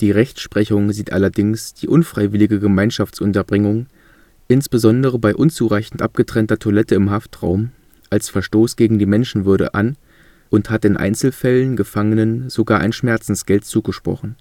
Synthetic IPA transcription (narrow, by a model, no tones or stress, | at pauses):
d̥iːʁɛçt͡sʃpʁ̥ɛçʊŋziːtʔa̰lɐdɪŋsd̥iːʔʊnfʁ̥aɪvɪlɪɡəɡəmaɪnʃaft͡sʔʊntɐbʁɪŋʊŋ | ʔɪnsb̥əzɔndəʁ̞əbaɪʔʊnt͡suːʁaɪçn̩tʔa̰p̚ɡ̥ətʁ̥ɛntɐtʰolɛtəɪmɦaftʁ̥a̰ʊm | ʔalsfɛɐʃtoːsɡ̥eːɡŋ̩diːmɛnʃn̩vʏɐɾə̰ʔan | ʔʊnthatɪnʔa̰ɪnt͡sl̩fɛlənɡəfaŋənənz̥oɡaːɐʔaɪnʃmɛɐt͡sn̩sɡ̥ɛltt͡suːɡəʃpʁ̥ɔ̰χn̩